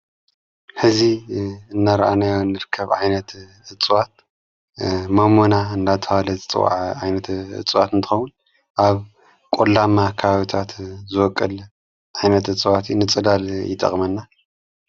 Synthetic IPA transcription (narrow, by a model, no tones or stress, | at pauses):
ħɨziɨnːaɾʔanajonːɨɾɨkʰːɐβʕajnɐt̪ | ɨt͡sʼwat̪̚ | mɐmonaɨnd̪at̪ʰɐhalɐzɨt͡sʼɨ̰wa̰ʕʕajnɐt̪ɨ̰t͡sʼwat̪ɨnt̪ʰɨ̥xɐwun | ʔaβ | kʼolːamakʰɐβaβit̪ʰat̪zɨwɔkʼːɨl | ʕajnɐt̪ɨt͡sʼɨwat̪ʰinɨt͡sʼɨlaljɪt̪ʼɐ̰χʼmɐnːa